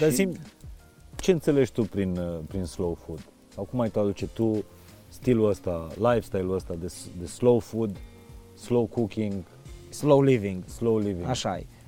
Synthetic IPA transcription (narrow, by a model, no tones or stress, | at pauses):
d̪asim | t͡ʃe̞ɨnt̪sele̞ʒt̪upɾinpɾinslowfud̪̥ | sawkumajt̪ad̪ut͡ʃet̪u | st̪iluəst̪alajfst̪ajluəst̪ad̪esd̪əslowfud̪ | slowkukʲiŋɡ | slowlivĩŋɡslowlivĩŋaʃa̰je